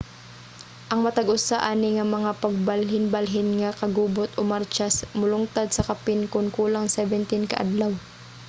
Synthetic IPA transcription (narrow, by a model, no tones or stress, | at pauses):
ʔɐŋmɐt̪ɐɡʊsaʔanɪŋɐmɐŋapɐɡ̚balɦɪnbalɦɪnŋɐkɐɡuːbot̪ʔomaɾt͡ʃasmʊlʊŋt̪ad̪̚sɐkɐpɪnkʊnkuːlaŋsɛvɛnt̪ɪnkɐ̰ʔad̪law